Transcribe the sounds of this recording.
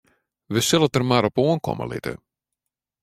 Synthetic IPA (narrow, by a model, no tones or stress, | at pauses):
ʋəsɪlˠətərmaɾɔpuənkɔ̰mə̰lɪ̰tə̰